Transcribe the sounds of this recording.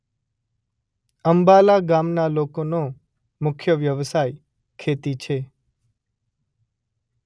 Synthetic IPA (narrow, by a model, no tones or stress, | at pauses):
əmbalaɡamnalokono | mʊkʰjəʋjəʋsaj | kʰet̪it͡ʃʰe